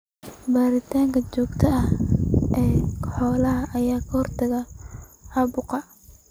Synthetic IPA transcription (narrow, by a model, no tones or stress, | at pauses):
baːɾɪt̪ʰaːŋkʰɐt͡ʃɔːɡt̪ʰɐʔɐhʔɛːkʰħɔːlɐɦɐʔɐjaːkʰɐhɔrt̪ʰɐɣɐhɐbʊqɑ